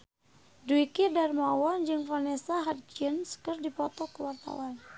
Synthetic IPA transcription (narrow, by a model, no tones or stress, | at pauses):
duikidarmawɔnd͡ʒɨŋpɾanɛsaɦat̪̚d͡ʒinskɨrdipɔt̪ɔkəwart̪a̰wan